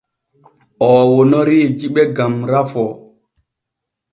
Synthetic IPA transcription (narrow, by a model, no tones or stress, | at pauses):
ʔɔːwonɔɾid͡ʒiɓɛɡamɾafɔ